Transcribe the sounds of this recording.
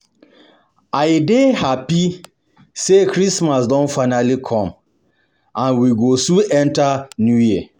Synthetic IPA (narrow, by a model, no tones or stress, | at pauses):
aɪdehapi | sekɾismasdɔ̃nfaɪnalikʰɔ̃m | ãnwiɡosũɛ̃ntanjujia